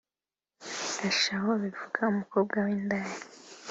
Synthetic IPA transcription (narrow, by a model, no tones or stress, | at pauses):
aʃahoβivuɡ̥aumukob̚ɡawiːndaːɾi